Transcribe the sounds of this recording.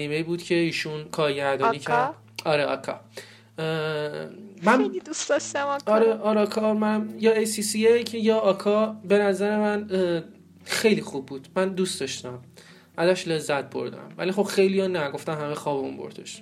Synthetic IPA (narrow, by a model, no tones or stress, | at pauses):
iːmejibuːd̪cʰe̞iːʃunkʰɒːɾɟæɾd̪ɒniːcʰæɾd̪ | ɒɾeʔɒ̰kʰɒ̰ | mænid̪usd̪ɒʃt̪æmɒɾeʔɒɾekʰɒmænjɒːesisiecʰejɒːkʰɒbe̞næzæɾe̞mæn | xe̞jlixubːuːd̪̥mænd̪ust̪ɒʃt̪æm | ʔæzæʃle̞zːæt̪̚bo̞̰ɾd̪æ̰mvæ̰lixo̞bxe̞jlijɒnæɡo̞ft̪æmhæmexɒːbeṵnmbo̰ɾd̪ḛʃ